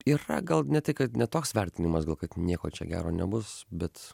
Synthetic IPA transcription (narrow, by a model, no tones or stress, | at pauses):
iːrɐ̰ɡɐlˠnʲɛt̪ɐɪkɐt̪nʲɛt̪oːksʋʲɛɾʲt̪ʲɪnʲɪmɐsɡɐlˠkɐt̪nʲiɛkoːt͡ʃʲɛ̰ɡʲæ̰ːɾoːnʲɛbʊsbʲɛt̪